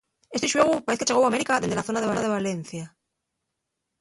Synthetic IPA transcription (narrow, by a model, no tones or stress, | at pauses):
est̪iʃweɣupaɾeθket͡ʃeɣowame̞ɾikaðezd̪elaθo̞naðeβaɾaðe̞β̞alen̟θja